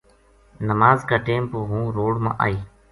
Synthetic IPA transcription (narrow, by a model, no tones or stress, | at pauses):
nəmaːzkaːʈeːmpoːɦũːɾoːɽmã̰ːʔa̰ːiː